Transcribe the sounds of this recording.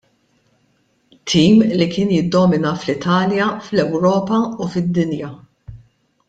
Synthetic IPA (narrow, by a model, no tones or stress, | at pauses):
t̪ʰːiːmlikɪːnjɪd̪ːɔːmɪnɐflɪt̪ɐːljɐflɛwɾɔːpɐufɪd̪ːɪnjɐ